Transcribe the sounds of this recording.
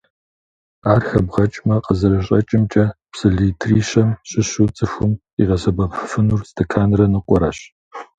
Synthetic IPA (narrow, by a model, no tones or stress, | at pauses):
aːrxɐbʁɐt͡ʃʼmɐqʼəzɨɾɐɕ̬ʼɐt͡ʃʼɪmt͡ʃʼɐpsɨɮitʰriːɕɐmɕʼɪɕut͡sʼɨxʷʊm | ḭʁɐɕɐbɐpʰɨfɨnurstʰɐkʰaːnrɐnɨqʷɔɾa̰ɕ